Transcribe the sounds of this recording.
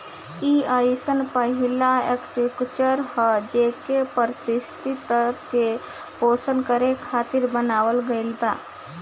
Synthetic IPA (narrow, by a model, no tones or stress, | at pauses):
iaisənpəɦɪlaekʈikt͡ʃəɾhəd͡ʒeːkepəɾsɪst̪it̪əɾətʰke | poːsənkəɾekʰaːt̪ɪɾbənaːwəlɡəɪlbaː